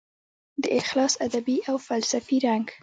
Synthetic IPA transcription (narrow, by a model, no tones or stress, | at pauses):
d̪əʔɪxlɑsad̪abiawfalsafiɾaŋɡ